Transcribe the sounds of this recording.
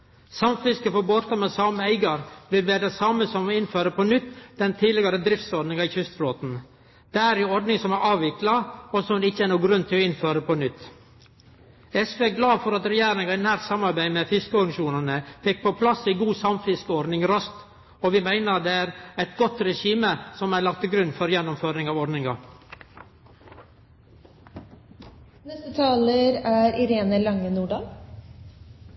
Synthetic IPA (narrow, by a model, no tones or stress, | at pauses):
sɑmfɪskəfɔɾbɔɾt̪ɑmɛsɑməæɪɡɑɾʋɪlʋeːd̪ɛsɑməsɔmɪnføːɾəpɔnʏt̪ːd̪̥ɛnt̪ʰiːlɪɡɑɾəd̪ɾɪft̪sɔɾɖnɪŋɑɪçʏst̪floːt̪n̩ | d̪̥æɾɪɔɾɖ̪nɪŋsɔmæʔɑːʋɪklɑɔsɔmʋɪlɪçːəæːnuːɡɡ̪ɾʉnt̪ʰɪlɔɪnføːɾəpɔnʏt̪ː | ɛsʋeːɡlɑːfɔɾɑt̪ɾɛjæːɾɪŋɑɪnæːɾt̪sɑmɑɾbæɪmɛfɪskəʉŋʃuːnɑnəfɛk̚ːpʰɔpʰlɑsiɡuːsɑmfɪskəɔɾnɪŋɾœst̪ | ɔʋɪmæɪnəɾd̪ɛæɾæɪt̪ɡɔt̪ɾɛʃiːməsɔmælɑk̚t̪ʰɪɡɾʉnːfɔɾjɛnːɔmføːɾɪŋɑːʋɔɾɖnɪŋɑ | nɛst̪ət̪ʰɑːləɾæɾɪɾeːnəlɑŋːənuːɖɑːl